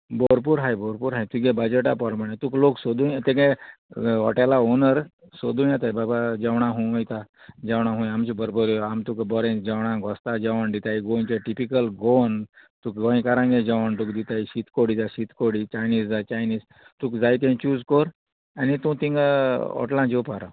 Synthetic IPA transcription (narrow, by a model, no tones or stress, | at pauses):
bɔɾpuɾɦaːjboɾpuɾɦajt̪uɡẽbɐd͡ʒəʈapɔɾmɐɽ̃ẽt̪ukloksod̪ũjt̪eɡẽ | ɔ̰ʈelaonəɾ | sod̪ũj̃ãt̪aibabad͡ʒɐʋɳ̃ãɦũɐjt̪a | d͡ʒɐwɳ̃aɦũjamt͡ʃibəɾbɔɾjoamt̪ukbɔɾẽd͡ʒɐwɽ̃ãŋkɔst̪ad͡ʒɐʋand̪it̪aiɡont͡ʃɔʈipikəlɡont̪ukɡɔ̃ĩkaɾãŋɡẽd͡ʒɔʋəɳʈ̪ukd̪it̪aiɕit̪ʰkoɽit̪asit̪koɽit͡ʃajniːzd͡zat͡ʃajniːz | t̪ukd͡zajt̪ẽt͡ʃuːzkɔɾ | anit̪ũt̪ĩŋɡaɔ̰ʈlãd͡ʒepaɾa